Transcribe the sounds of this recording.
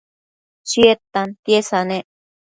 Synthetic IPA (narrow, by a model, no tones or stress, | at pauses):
siet̪ant̪jesanẽ